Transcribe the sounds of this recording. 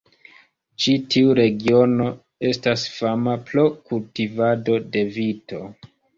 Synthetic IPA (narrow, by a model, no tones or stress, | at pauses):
t͡ʃitʰiuɾe̞ɡio̞no̞ | e̞stasfamaplokultivado̞de̞vito̞